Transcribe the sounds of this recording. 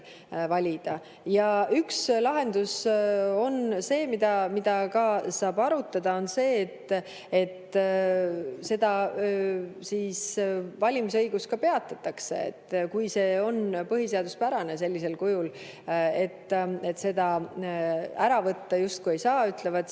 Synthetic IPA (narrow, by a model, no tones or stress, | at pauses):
vɑlʲid̪̥ɑ | jɑʔykslɑɦe̞nd̪uso̞nse̞ːmid̪̥ɑmid̪̥ɑkɑsɑːb̥ɑɾut̪ːˑɑd̪ɑo̞nse̞ːt̪ː | et̪ː | se̞d̪̥ɑ | siːsvɑlʲimis̬ɤjɡ̥uskɑpe̞ɑt̪ːˑɑt̪ːˑɑkse̞̰ḛt̪ːˑkujse̞ːo̞npɤɦise̞ɑd̪̥uspæɾɑne̞se̞lʲːise̞lkujul | e̞t̪ːe̞t̪se̞d̪̥ɑ | æɾɑvɤt̪ːɑjust̪̚kuje̞jsɑːyt̪levɑt̪